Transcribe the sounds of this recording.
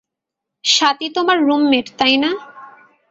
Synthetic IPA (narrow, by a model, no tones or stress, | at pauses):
ʃat̪it̪omaɾːumːeʈt̪ajna